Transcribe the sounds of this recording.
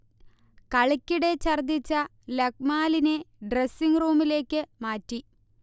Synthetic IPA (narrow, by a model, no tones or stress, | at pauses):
kɐɭɐkʲːiɽe̞t͡ɕɐrd̪it͡ɕːɐ | lɐk̚maːlineɖresiŋruːmile̞ːkːɨmaːtːi